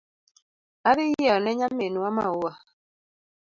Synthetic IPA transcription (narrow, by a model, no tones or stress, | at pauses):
abijɛɔnɛɲamːenuama̰wa